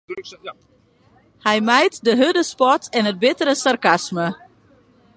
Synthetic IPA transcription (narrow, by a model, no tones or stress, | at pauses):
hɛjmɛjtdəɦødəspɔtʰɛnɦət̚bɪtəɾəsarkasmə